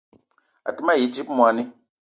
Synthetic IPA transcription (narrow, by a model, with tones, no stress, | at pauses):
a̰˨tɨ˦ma˦˨ji˨˦d͡ʒi˦pmwa˨ni˦